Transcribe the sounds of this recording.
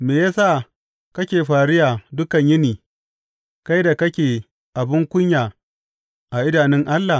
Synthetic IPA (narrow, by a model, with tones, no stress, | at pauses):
meː˨jaː˦sa˦˨ | kɐ˦kʲeː˨ɸaː˨ɽɪ˦jaː˨dʊ˦kɐ˨ɲjɪ˦niː˨ | ka˦jda˨kɐ˦kʲeː˨ | ʔa˨bɪ˦ŋkʷʊ˦ɲjaː˨ | ʔa˨ʔɪ˦daː˨nɪ˦ŋʔa˦lːa˨